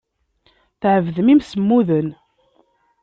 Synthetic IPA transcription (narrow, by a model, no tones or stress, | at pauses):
θʕəvðəmimsəmːuðən